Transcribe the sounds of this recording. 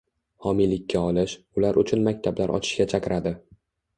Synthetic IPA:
hɒmilɪkʲːaɒlɪʃ | ʊlaɾʔʊ̰t͡ʃʰʊnmak̚ʲt̪ʰablaɾʔɒ̰t͡ʃʰɪ̥ʃkʲat͡ʃʰakʲɪɾad̪ɪ

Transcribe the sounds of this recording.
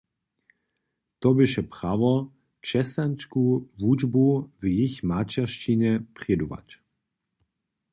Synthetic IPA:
t̪ɔbɪʃɛpʁaʋɔ | kʃɛst͡ɕanskuvud͡ʒbuvjiçmat͡ʃaʃt͡ʃiɲɛpʁ̥ɛd̪uʋa̰t͡ɕ

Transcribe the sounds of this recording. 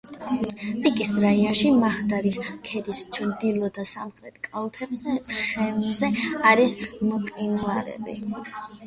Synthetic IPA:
pʼikʼisɾaiaʃimaχd̪aɾiskʰɛd̪ist͡ʃʰɾd̪ilˠɔd̪asamχɾɛt̪ʰkʼalˠt̪ʰɛbzɛχɛmzɛaɾismɔt̪ʼinuaɾɛ̰bḭ

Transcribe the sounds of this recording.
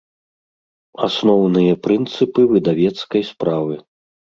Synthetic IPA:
asnɔwnɨjɐpɾɨnt̪sɨpɨvɨd̪avʲɛt̪skɐjspɾavɨ

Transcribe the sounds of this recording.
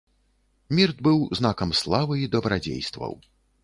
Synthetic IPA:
mʲird̪bɨwznakɐmslˠavɨid̪ɐbɾad͡zʲḛjst̪vɐ̰w

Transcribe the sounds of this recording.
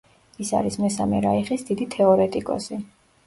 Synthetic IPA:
isa̰ɾismɛsamɛ̰ɾaiχisd̪id̪it̪ʰɛɔɾɛt̪ʼikʼɔ̰si

